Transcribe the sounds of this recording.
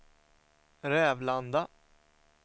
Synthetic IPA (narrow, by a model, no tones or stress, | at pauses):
ɾɛːvland̪a